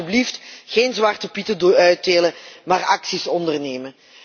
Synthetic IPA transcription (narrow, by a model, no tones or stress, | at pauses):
ybliftxeːnzʋɑrtəpitədœɥteːləmaːrɑksisɔndərneːmən